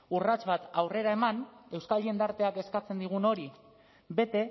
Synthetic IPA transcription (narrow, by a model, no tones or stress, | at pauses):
urat͡ʃβat̪awre̞ɾae̞mane̞wskald̪ie̞nd̪aɾt̪e̞ake̞skat͡se̞nd̪iɣ̞uno̞ɾi | be̞t̪e̞